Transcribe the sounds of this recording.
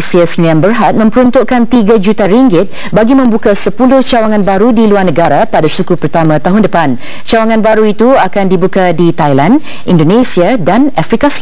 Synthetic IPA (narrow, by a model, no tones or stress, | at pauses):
siasniãnbərɦat̪̚mə̃mpəɾunt̪uʔkant̪iɡad͡ʒut̪aɾiŋɡɪt̪̚ | baɡimə̃mbukasəpulʊht͡ʃawaŋãnbaɾudiluarnəɡaɾapadasukupərt̪amãt̪aɦʊndəpan | t͡ʃawaŋãnbaɾuit̪uakandibukadit̪ajlan | ʔḭndonesiadanafɾikas